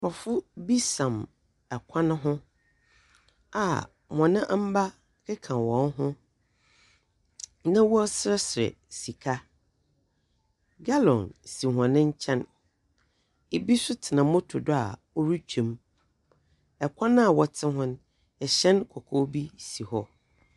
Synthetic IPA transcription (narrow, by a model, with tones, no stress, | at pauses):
wɔ˨fʊ˦bi˦sã˨m | ɛ˨kʷʰã˦nʊ̃˦ɦʊ̃˦ | a̰˨ | mɔ̃˨nɪ̃˦ʔa˦m̩˦ba˦ | kʰɪ˦kʰã˨wɔ̃˨˦n˦ɦʊ̃˦ | nã˦wu˦ɔ˦sɾɛ˦sɪ˨ɾɛ̰˨ | si˨kʰa˦ | ɡa˦lɔ̃˨nsi˨ɦã˨nɪ̃˦ɲ̩˦t͡ɕʰɛ̃˦n | e˨bi˦sʊ˦tʰɪ˨nã˨mʊ̃˦tʰʊ˨dʊ˦a̰˨ | ɔ˦ɾu˦t͡ɕᶣʰĩ˨m | ɛ˨kʷʰã˦ñ˦a˦˨wɔ˨tʰɪ̃˦ɦʊ̃˦n | ɛ˨ɕɛ̃˦nkʰɔ˨kʰo˦bi˦si˨hɔ˦